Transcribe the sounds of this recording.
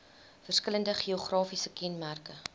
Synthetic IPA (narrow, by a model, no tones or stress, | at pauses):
fərskələndəχioχrɑːfisəkɛnmærkə